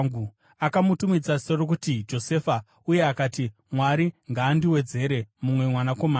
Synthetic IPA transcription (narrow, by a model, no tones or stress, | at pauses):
ɡu | akamutumid͡zaserok̬utid͡ʒo̞se̞fa | uje̞akaːti | mwaɾiŋɡaːndiwe̞d͡ze̞ɾe̞mumwe̞mwanako̞maː